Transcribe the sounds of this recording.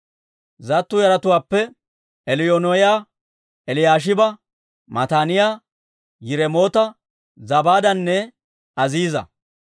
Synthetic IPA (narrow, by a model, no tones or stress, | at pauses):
zɐt̪ːʊjɐɾɐt̪ʊwaːpːɛ | ɛlɪjoːnɔjaː | ɛlɪjaːʃ̬ɪbɐ | mɐt̪aːnɪjaː | jɪɾɛmo̞ːt̪ɐ | zɐbaːd̪ɐnːɛ | ɐziːzɐ̰